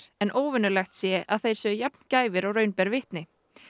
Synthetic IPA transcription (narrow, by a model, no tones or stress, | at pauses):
ɛnʔoːwvɪnʏlɛxt̪sjɛʔaðθejɾ̥sɛʏjapn̥caːjvɪɾɔɣɾœɥnpɛɾvɪht̪nɪ